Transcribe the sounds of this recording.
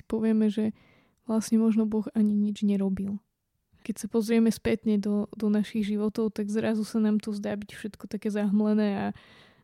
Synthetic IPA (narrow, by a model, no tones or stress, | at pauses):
i̥pɔʋɪɛmɛʒɛ | ʋlasɲɛmɔʒnɔbɔɣaɲiɲid͡ʒɲɛɾɔbil | kɛcsapɔzɾɪɛmɛspɛt̪ɲɛd̪ɔd̪ɔnaʃiɣʒiʋɔt̪ɔʊt̪aɡzɾazusanaːmt̪ɔzd̪aːbicfʃɛt̪kɔt̪akɛːzaɦmlɛnɛːa